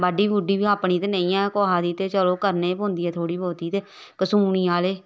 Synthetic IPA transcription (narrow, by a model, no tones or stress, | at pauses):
bəɖiːbuːɖiːbiːaːpɳiːt̪eːnẽːĩːãːkoːɦaːd̪iːt̪eːt͡ʃəloːkəɾneːpõːnd̪iːɛːt̪ʰoːɽiːboːt̪iːt̪eː | kəsuːniːaːleː